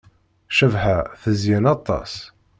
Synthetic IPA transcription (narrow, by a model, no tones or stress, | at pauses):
ʃəvɦaθəzjænɑt̪ˤːɑ̰s